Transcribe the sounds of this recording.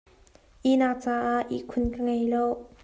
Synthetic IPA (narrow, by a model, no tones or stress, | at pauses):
ʔinaʔt͡saːʔaʔḭʔkʰʊnkəŋejlow